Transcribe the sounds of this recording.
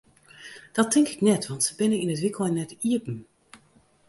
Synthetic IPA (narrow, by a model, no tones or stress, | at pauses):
d̥ɑtʰːɪŋkɪknɛtʋɑntsəbɪnəninətʋɪklˠɛnːɛtiəpn̩